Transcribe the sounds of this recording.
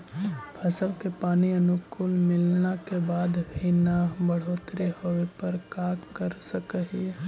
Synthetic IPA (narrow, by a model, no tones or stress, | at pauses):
pʰəsəlkepaːniənʊkʊlmɪlnakebaːd̪pʰiːnabəɽ̤oːt̪ɾihoepəɾkaːkkəɾsəkəɦi